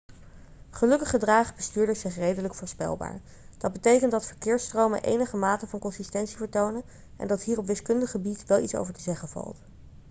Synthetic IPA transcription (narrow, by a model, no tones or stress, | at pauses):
χəlɵkəχədraːχəbəstyːɹdəɹsɪχrejdələkfʊːɹspɛ̰lˠba̰ːɹ | d̥ɑd̚bətejkəntdɑtfəɹkɪːɹstrowmə̰nʔḛjnəχəmaːtəvɑnkɔnsistɛntsivəɹtownə | ʔɛ̰ndɑtɦiːrɔpʋɪskɵndəχəbitʋɛlˠitso̰wvəɹtəzɛχənv̥ɑ̰lˠt